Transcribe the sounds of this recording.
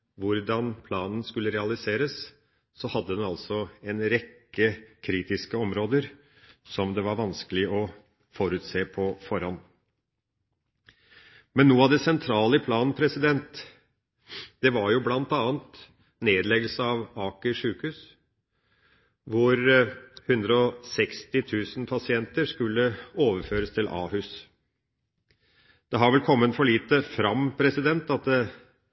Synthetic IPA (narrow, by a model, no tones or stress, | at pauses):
ʋʊɾd̪ɑnpʰlɑːnn̩skʉlːəɾɛɑlɪseːɾəs | sɔhɑd̪ːəd̪ɛnɑlsɔɛnɾɛkːəkʰɾiːt̪ɪskəɔmɾoːd̪əɾ | sɔmd̪ɛʋɑɾʋɑnskəlɪɔ | fɔɾʉːt̪seːpʰɔfɔɾhɑn | mɛnːuːəɑd̪ɛsɛnt̪ʰɾɑːləpʰlɑːnn̩pʰɾɛsɪd̪ɛnt̪ | d̪̥ɛʋɑɾjʊblɑnt̪ɑːnt̪ | neːd̪lɛɡəlsəɑʋɑːkəʂʉːkhʉːs | ʋʊɾhʉnd̪ɾəɔsɛkst̪ɪt̪ʰʉːsn̩pʰɑsɪɛnt̪əɾʂkʉlːəoːʋəɾføːɾəst̪ʰɪlʔɑ̰ːhʉs | d̪̥ɛɦɑɾʋɛlkʰɔmːənfɔɭiːt̪əfɾɑmpʰɾɛsɪd̪ɛnt̪ɑt̪̚d̪ɛ